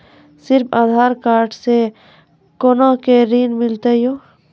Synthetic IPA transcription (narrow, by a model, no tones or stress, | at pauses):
sɪɾpʰaːd̪ʱaːɾkaːɾʈse | konãkeɾiːnmɪlt̪ejoː